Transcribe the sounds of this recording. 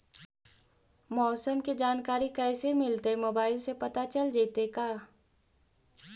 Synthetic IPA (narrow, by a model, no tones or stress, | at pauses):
mɔːsəmked͡ʒaːnkaːɾikɛːsemɪlt̪emoːbaːɪlsepɐt̪at͡ʃɐld͡ʒeːt̪ekaː